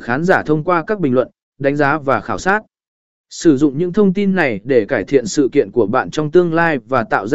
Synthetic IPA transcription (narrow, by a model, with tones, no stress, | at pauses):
xaː˨˦nzaː˧˩t̪ʰə˧wŋ͡mkwaː˧kaː˦˥k̚ɓï˨˩ŋlwə̰˧˨n | ɗa˨˦ŋ̟zaː˨˦vaː˨˩xaː˧˩wsaː˦˥t̚ | sɨ˧˩zʊ̰˧˨ŋ͡mɲɨ̰˧˥ŋt̪ʰə˧wŋ͡mt̪i˧nːa˨˩jɗe˧˩kaː˧˩jt̪ʰḭ˧˨ənsɨ̰˧˨kḭ˧˨ənku˧˩əɓa̰ː˧˨nt͡ɕɔ˧wŋ͡mt̪ɨ˧əŋlaː˧jvaː˨˩t̪a̰ː˧˨wz